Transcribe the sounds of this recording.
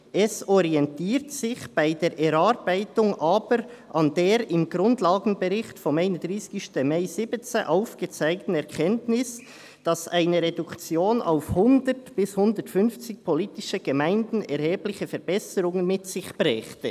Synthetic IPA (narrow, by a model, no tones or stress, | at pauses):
ʔɛsɔɾiɛntiːɾtsɪçb̥aɪdeːɾʔɛɾaɾb̥aɪtʊŋʔaːbəɾʔɑndeːɾɪmɡɾʊndlɑːɡn̩bəɾɪxtfɔmaɪnədʁiːsɡ̥ɪʃtəmaɪzɪbət͡səʔaʊfɡ̥ət͡saɪk̚tn̩ɛʁkʰɛntnɪs | d̥ɑsaɪnəɾedʊkt͡sjoːna̰ʊfhʊndəɾtb̥ɪshʊndətfʏnft͡sɪk̚pʰoliːtɪʃəɡ̥əmaɪndn̩ɛɾheːblɪçəfɛɾb̥ɛsəɾʊŋənmɪtsɪçb̥ɾɛːxtə